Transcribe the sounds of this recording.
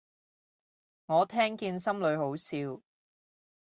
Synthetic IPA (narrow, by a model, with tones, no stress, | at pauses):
ŋɔː˨˧t̪ʰɛː˥ŋkiː˧nsɐ˥mlɵ˨˧ɥho˨˥wsiː˧w